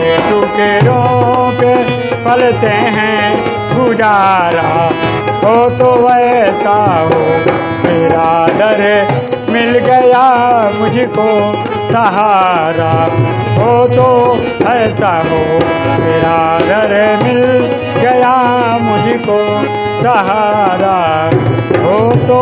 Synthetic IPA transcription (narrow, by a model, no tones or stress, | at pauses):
et̪uʈeɾõke | pɐlt̪eɦɛ̃ | kud͡ʒaːɾa | ɦot̪oʋɐt̪aɦoː | meːɾaːd̪əɾe | mɪlɡɐjamʊd͡ʒʱko | sɐɦaːɾa | ɦot̪o | ɦɐsaɦo | bɪɾaːd̪ɐɾemɪl | ɡɐjamʊd͡ʒʱiko | sɐɦaːɾa | ɦot̪o